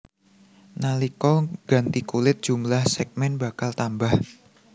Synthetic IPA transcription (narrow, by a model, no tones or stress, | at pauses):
nalikɔɡ̥a̤nt̪ikulɪt̪̚d̥ʒ̥umlahsɛk̚mɛnba̤kalt̪ambah